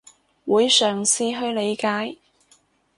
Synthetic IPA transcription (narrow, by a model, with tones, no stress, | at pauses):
wuː˨˧jsœː˨˩ŋsiː˧ɦɵ˧ɥle˨˧jkaː˨˥j